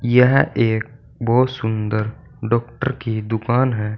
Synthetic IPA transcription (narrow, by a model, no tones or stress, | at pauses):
jəɦeːk̚ | bɔːt̪sʊ̃nd̪əɾ | ɖɔːk̚ʈəɾkid̪ʊkaːnɦɛ